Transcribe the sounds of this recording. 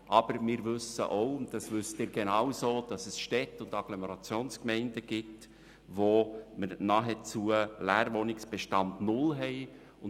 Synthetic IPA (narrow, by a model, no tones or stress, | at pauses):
ʔɑb̥əɾmɪːɾʋʏsə̰ʔoʊʊndɑsʋʏstɪːɾɡenɑwsoːd̥ɑsɛsʃtɛtːʊndɑɡ̥loməɾɑt͡sjoːnskmɛɪndəɡ̥ɪt | ʋoməɾnɑːɦɛt͡suəlæːɾʋonɪksb̥ɛʃtɑndnʊlɦɛɪ | ʊn